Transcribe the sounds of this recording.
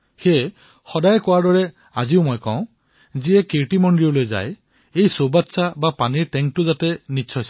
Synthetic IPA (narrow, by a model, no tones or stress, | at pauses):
xe | xɔdajkɔwaɹdɔɹɛ | aziʊmojkɔ̰̃ʊ̃ | ziɛkeɹʈimɔndiɔlojza̰j | ejsobatːsabapaniɹʈɛŋk̚tʊzatɛnisʰɔjs